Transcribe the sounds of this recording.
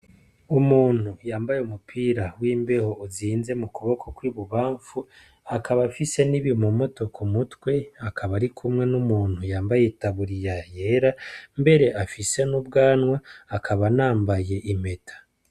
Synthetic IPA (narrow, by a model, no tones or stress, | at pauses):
umuːn̥hujaːmbajeumupʰiːɾawiːmbe̞ho̞ʔuziːnze̞mukuβo̞kʰokwiːβuβaːɱfu | akʰaβafise̞niβimumo̞to̞kʰumutwe̞akʰaβaɾikʰumŋe̞numuːn̥hujaːmbajetaβuɾijaje̞ːɾambe̞ɾe̞ʔafise̞nubɡaːnwaːkʰaβanaːmbaje̞ʔime̞tʰḁ